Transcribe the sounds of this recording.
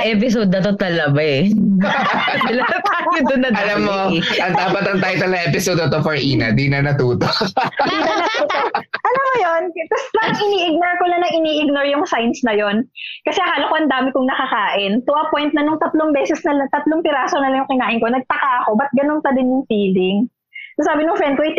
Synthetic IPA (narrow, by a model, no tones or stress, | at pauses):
ʔɛːp̬ɪsod̪̚ːɐt̪ot̪ɐlɐbaɛ | d̪ɪlɐɐ | jʊd̪ʊnːɐdɐlɐmːoʔɐŋt̪aːpɐt̪ɐŋt̪ajt̪ɐlɐʔɛpɪsod̪ɐt̪ofɐɹʔiːnɐd̪inɐnɐt̪uːt̪oʔd̪iːnɐnɐt̪uːt̪oʔʔɐlɐmojont̪ɐspɐŋʔɪniːʔɪɡ̚noɹkolɐnɐŋʔɪniːʔɪɡ̚noɹjʊŋsajnsnɐjonkɐsɛɦaːlokoʔɐnd̪aːmɪkʊŋnɐkɐkaːʔɪnt̪ʊʔɐpojnt̪̚nɐnʊŋt̪ɐt̪loŋbɛːsɛsnɐlɐt̪ɐt̪loŋpɪɾaːsonɐlɐŋjʊŋkɪnaːʔɪnko̞nɐɡ̚t̪ɐkaɐko̞bɐt̪̚ɡɐnonpɐd̪ɪnjʊŋfiːlɪŋ | sosaːbɪnʊŋfɹɛnd̪koʔɐj̪